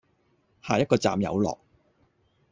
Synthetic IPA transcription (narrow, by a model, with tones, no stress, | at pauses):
haː˨jɐt̚kɔː˧t͡sa̰ː˨mjɐ̰˨˧wlɔ̰ː˨k̚